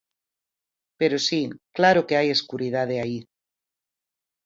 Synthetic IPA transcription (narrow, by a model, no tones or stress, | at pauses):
pe̞ɾosiklaɾokeaje̞skuɾið̞að̞eai